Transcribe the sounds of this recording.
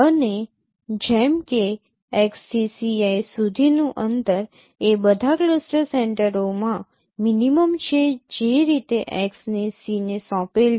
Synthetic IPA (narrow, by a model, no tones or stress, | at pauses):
əne | d͡ʒɛmke | eksːisiajsud̪ʱinũʔənt̪əɾ | ebəd̪ʱakləsʈəseɳʈəɾomã | miniməmt͡ʃʰed͡ʒeɾit̪eʔeksnesinesɔ̃pel